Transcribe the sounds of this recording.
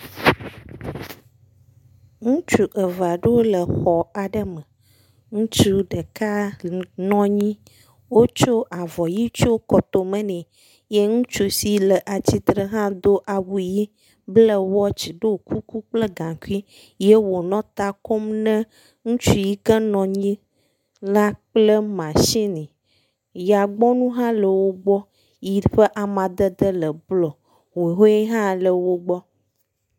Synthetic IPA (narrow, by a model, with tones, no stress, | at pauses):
ŋũ˦t͡ʃu˨ʔə˨va˨ɖə˦wo˦lə˨xɔ˨a˨ɖə˦mə̃˨ | ŋũ˦t͡ʃu˦ɖə˨ka˦nɔ̃˦ɲĩ˦ | wo˦t͡ʃo˦ʔa˨vɔ˨ji˦t͡ʃo˦kɔ˨t̪o˨mə̃˦nɛ̃˨ | je˦ŋũ˦t͡ʃu˦si˦lə˨ʔa˨t͡ɕi˨t̪ɾə˦ɦã˦d̪o˦ʔa˨wu˨ji˦ | blə˦wɔ˦t͡ɕi˨ɖo˦˨kʰu˦ku˦k͡plə˦ɡã˨ku˦i˦ | je˦wo˨nɔ̃˦t̪a˦ko˦mnɛ̃˦ | ŋũ˦t͡ʃu˦ji˦kə˦nɔ̃˨ɲĩ˦ | la˦k͡plə˦mã˨ʃi˦nĩ˨ | ja˨ɡ͡bɔ˦nũ˦ɦã˦lə˨wo˦ɡ͡bɔ˦ | ji˨ɸə˦ʔa˨mã˨d̪ə˦d̪ə˦lə˨blɔ˨ | wo˨ɦo˦jɛ˦ɦã˦lə˨wo˦ɡ͡bɔ˦